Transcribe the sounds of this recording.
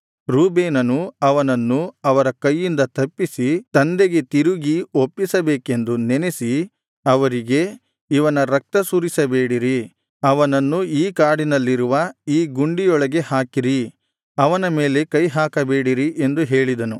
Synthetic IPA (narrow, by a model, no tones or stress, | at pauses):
ɾuːbeːnɐnuɐʋɐnɐnːuɐʋɐɾɐkɐjːind̪ɐt̪ɐpːisit̪ɐnd̪e̞ɡe̞t̪iɾuɡiopːisɐbeːke̞nd̪unenesi | ɐʋɐɾiɡe̞ | iʋɐnɐɾɐk̚t̪ɐsuːɾisɐbeːɽiɾi | ɐʋɐnɐnːuiːkaːɽinɐlːiɾuʋɐiːɡuɳɖijɔɭɐɡe̞haːkiɾi | ɐʋɐnɐme̞ːle̞kɐjɦaːkɐbeːɽiɾiʔe̞nd̪uɦe̞ːɭid̪ɐnu